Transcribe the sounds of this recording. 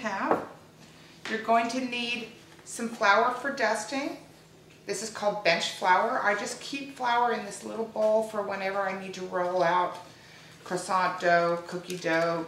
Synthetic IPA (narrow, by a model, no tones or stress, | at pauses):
æv̥ | jə˞ɡoʊɪ̃ŋtʰɨnid | sʌ̃ɱflaʊə˞fə˞dʌstɪ̃ŋ | ðɪsɨz̥kʰɔlˠd̚bɛ̃nt͡ʃflaʊə˞ʔaɪd͡ʒʌskʰipflaʊə˞ɨ̃nðɪslɪɾl̩ˠboʊlˠfə˞wɛ̃ñɛvə˞aɪnid̚tʰɨɹoʊlˠaʊt̚ | kʰɹ̥ɨsɑ̃d̥oʊkʰʊkidoʊ